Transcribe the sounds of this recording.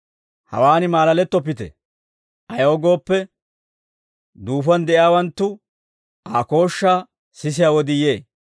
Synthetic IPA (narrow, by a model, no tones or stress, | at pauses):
hɐ̰waːnɪmaːlɐlɛt̪ːɔp̬ːɪt̪ɛ̰ | ʔɐjoːɡo̞ːpːɛ | d̪uːfɐnd̪ɛʔɪjaːwɐnt̪ːʊ | aːko̞ːʃːaː | sɪs̬ɪjaːwɔd̪ɪje̞ː